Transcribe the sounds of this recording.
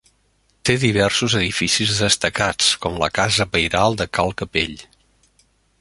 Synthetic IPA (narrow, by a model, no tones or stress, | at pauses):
t̪eðiβ̞ɛrsuzəðifisizðəst̪əkat͡skɔmlə̰kazəβəjɾalˠd̪əkalˠkəpḛʎ